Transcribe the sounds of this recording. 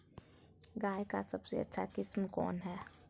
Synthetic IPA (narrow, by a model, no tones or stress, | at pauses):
ɡaːjka̰sɐbsḛɐ̰tːʃʰakɪsmkɔ̰ːnɦɛː